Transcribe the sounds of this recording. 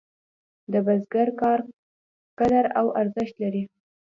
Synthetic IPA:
d̪əbazɡaɾkɑɾ | kad̪aɾawʔaɾzɪʃt̪laɾi

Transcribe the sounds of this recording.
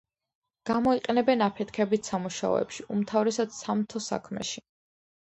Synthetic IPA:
ɡ̥amɔiqʼɛnɛbɛnapʰɛt̪ʰkʰɛbit̪ʰsamuʃa̰ɔ̰ɛ̰pʃiumt̪ʰavɾɛsad̪samt̪ʰɔsa̰kʰmɛ̰ʃi

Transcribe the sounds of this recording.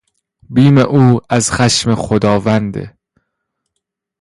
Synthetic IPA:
biːmeʔuːæzxæʃmexod̪ɒːvænd̪ḛ

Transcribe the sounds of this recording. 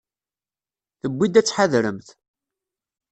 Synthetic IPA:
θəbːid̪æt͡sːħaðɾəmθ

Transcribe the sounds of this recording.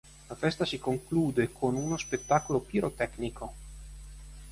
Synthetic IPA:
lafɛst̪asikoŋkluːd̪ekʰonunospet̪ːakolopiɾot̪ɛkniko

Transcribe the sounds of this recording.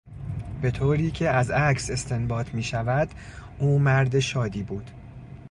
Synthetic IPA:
b̥e̞t̪ʰoːɾiːcʰe̞æzækse̞st̪ʰe̞nbɒːt̪ʰmiːʃævæd̪uːmæɾd̪eʃɒːd̪iːbuːd̪̥

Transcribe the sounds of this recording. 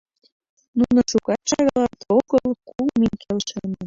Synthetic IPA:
nunoʃukɑt̪ʃɑɣɑlɑt̪oɣəlˠkulmiŋkʰelʃənə̆

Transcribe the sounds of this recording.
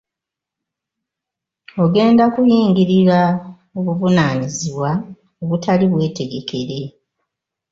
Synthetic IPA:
o̞ɡe̞ːndakujiːŋɡiɾiɾa | oβuvunaːniziβwa | oβutʰaliβwe̞ːte̞ɡe̞ke̞ɾe̞

